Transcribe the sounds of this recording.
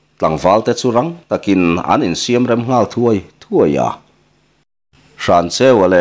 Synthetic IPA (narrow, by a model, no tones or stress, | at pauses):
t̪aŋvalt̪et͡suɾaŋt̪akinina̰ninsiamiɾemɦnalt̪ʰuajt̪ʰuaj̰a̰ | ʂant͡seale